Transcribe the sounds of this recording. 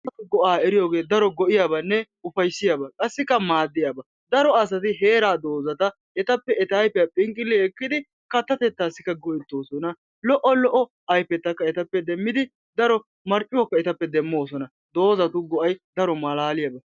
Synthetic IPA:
ɐt̪ʊɡɔʔaːɛɾɪjoːɡe̞ːd̪ɐɾɔɡɔʔɪjaːbɐnːɛ | ʊfɐjsːɪjaːbɐkʼɐsːɪkːɐmaːd̪ːɪjaːbɐ | d̪ɐɾɔɐs̬ɐt̪ɪɦeːɾaːd̪o̞ːzɐt̪ɐ | ɛt̪ɐpːɛɛt̪ajpɛjɐpʼɪŋkʼːɪlːɛɛkːɪd̪ɪ | kɐt̪ːɐt̪ɛt̪ːaːsːɪkːɐɡɔʔɛt̪ːo̞ːsɔnɐ | lɔʔɔlɔʔɔ | ɐjpːɛt̪ːɐkːɐɛt̪ɐpːɛd̪ɛmːɪd̪ɪ | d̪ɐɾɔ | mɐɾt͡ʃʼːɪwɔkːɐɛt̪ɐpːɛd̪ɛmːo̞ːsɔnɐ | d̪o̞ːzɐt̪ʊɡɔʔɐjd̪ɐɾɔmɐlaːlɪjaːbɐ

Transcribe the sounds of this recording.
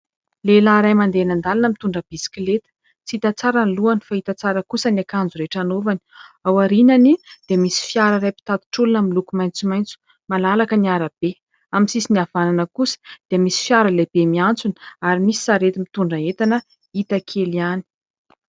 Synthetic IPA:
lelaɾajmand̪eanand̪alanəmit̪uɳɖ͡ʐəb̥isi̥kilet̪ə̥ | t͡siit̪at͡saɾanluanifait̪at͡saɾəkusənakand͡zuɾeʈ͡ʂanovani̥awaɾinanid̪̥eəmisi̥fjaɾərajpi̥t̪at̪u̥ʈ͡ʂulunamilukumajnt͡sumajnt͡su̥ | malalakəniaɾab̥e | aminsisiniavananəkusə̥d̪̥eəmisi̥fjaɾəleb̥emiant͡sunaɾimisi̥saɾet̪imit̪uɳɖ͡ʐəet̪anə | it̪akʰeliani̥

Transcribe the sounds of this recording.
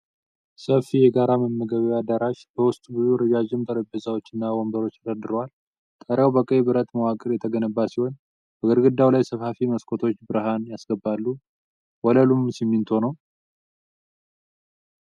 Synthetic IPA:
səfijɛɡaɾaməmːəɡəβead̪aɾaʃbəwʊst̪ʼbɨzuɾəd͡ʒaʒɪmt̪ʰəɾəbəzawo̞t͡ʃːɨnːawɔmbəɾo̞t͡ʃːt̪ʰəd̪əd̪ɨɾwal | t̪ʼəɾjawbəkʼːejbɨɾət̪ʼməwakʼɨɾjɛt̪ʰəɡənəbːasiho̞n | b̥əɡəɾɡɨd̪ːawlajsəfhafiməskʰʼot̪ʰo̞t͡ʃːbɨɾɦanjasɡəbːalːu | wɔləlumsimːint̪ʰonəw

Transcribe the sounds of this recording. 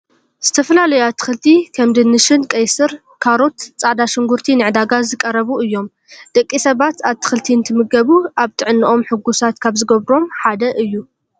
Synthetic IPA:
z̥ɨt̪ʰɐfɐlalɐjat̪ʰɨ̥xɨlt̪ʰikʰɐmd̪ɨnːɨʃɨnkʼɐjsɨɾ | kʰaɾo̞t̪t͡sʼaʕd̪aʃɪŋɡuɾt̪ʰinɨʕd̪aɡazɨkʼɐɾɐβuɨjːo̞m | d̪̥ɐkʼːisɐβat̪aβt̪ʰɨ̥xɨlt̪ʰint̪ʰɨmɨɡɐβuaβt̪ʰɨʕɨnːɨʔo̞mħɨɡusat̪kʰaβzɨɡɐβɾo̞mħad̪ɐʔɨjːu

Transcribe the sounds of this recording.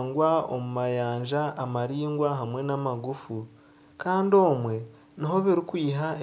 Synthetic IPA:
ŋɡwao̰mumajaːɲʒaːmaɾiːŋɡwaɦamwe̞namaɡufu | kaːndio̞ːmwe̞ | niɦo̞βiɾikwiːɦae

